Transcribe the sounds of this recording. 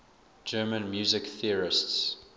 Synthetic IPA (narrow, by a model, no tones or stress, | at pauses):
d͡ʒɜːmə̃nmjuːzɪkθiəɹɪsts